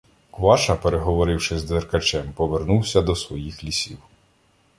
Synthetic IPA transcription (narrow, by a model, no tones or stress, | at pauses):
kʋɑʃɐpeɾeɦɔʋɔɾɪwʃɪzd̪ʋerkɐt͡ʃɛmpɔʋernuwsʲɐd̪ɔsʋɔjixlʲisʲiw